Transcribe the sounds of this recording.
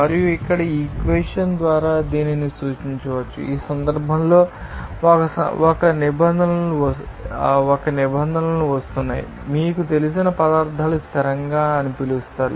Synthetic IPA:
mɐɾijuikːɐɽɐiːkʋeʂɐnd̪ʋaːɾaːd̪iːninisuːt͡ʃiɲt͡ʃɐʋɐt͡ʃːṵiːsɐnd̪ɐɾbʱɐmlo̞ː | kɐsɐ̰ɔkɐnibɐnd̪ʱɐnɐluʋ | ɔkɐnibɐnd̪ʱɐnɐluʋɐst̪unːa̰ːjḭ | miːkut̪e̞lisinɐpɐd̪aːɾd̪ʱaːlust̪ʰɐɾɐŋɡaːɐnupilust̪aːɾṵ

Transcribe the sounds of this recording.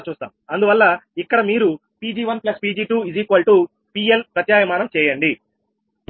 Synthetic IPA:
t͡ʃuːst̪a̰ːmɐnd̪uʋɐlːɐikːɐɽɐmiːɾu | piːd͡ʒiːʋɐnplɐspiːd͡ʒiːʈuːiziːkʋɐlʈuː | piːelpɾɐt̪jaːjɐmaːnɐmt͡ʃɛːjɐɳɖi

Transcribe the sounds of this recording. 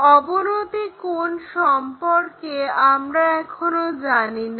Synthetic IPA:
ɔbonot̪ikonʃɔmpoɾkeamɾaɛkʰonod͡ʑanina

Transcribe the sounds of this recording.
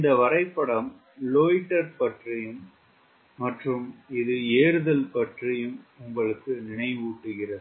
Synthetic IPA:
ɪnd̪ɐʋɐɾɐɪpːɐɽɐm | loːɪʈːɐɾpɐʈrɪjɯmː | ɐʈrɯmɪðɯeːɾɯðɐlpɐʈrɪjɯmʊmbɐɭɯkːɯnɪɳɐɪʋuːʈːɯɣɪrɐðɯ

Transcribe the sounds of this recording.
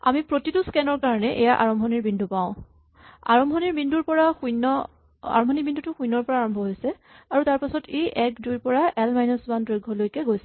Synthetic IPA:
a̰mipɹotituskɛnɔɹkaɹɔnɛʔɛjaʔa̰ɹɔmbʱɔniɹbindʱupaʊ̃ | a̰ɹɔmbʱɔniɹbindʱuɹpɔɹaxujnɔ | a̰ɹɔmbʱɔnibindutʊxujnɔɹpɔɹaːɹɔmbʱɔɦojsɛ | aɹutaɹpasɔtʰeʔɛkdujɹpɔɹaʔɛlmajnɔsbandɹojɡʱːɔlojkɛɡojsɛ

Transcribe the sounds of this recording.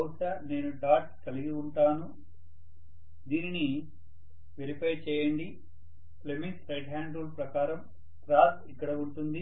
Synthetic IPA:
ɐwʂane̞ːnuɖaːʈ̚kɐliɡiuɳʈaːnu | d̪iːnini | ʋeɾipeːɾt͡ʃɛːjɐɳɖi | pleminsɾɐjʈɦaːɳɖulpɾɐkaːɾɐm | ʈɾaːsikːɐɽɐuɳʈund̪i

